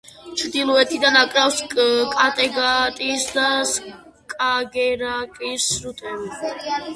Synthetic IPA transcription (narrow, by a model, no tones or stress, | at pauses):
t͡ʃʰɾd̪ilˠɔɛt̪ʰid̪anakʼɾafsʼkʼat̪ʼɛɡat̪ʼisd̪as | kʼaɡɛɾakʼisɾut̪ʼʰɛbi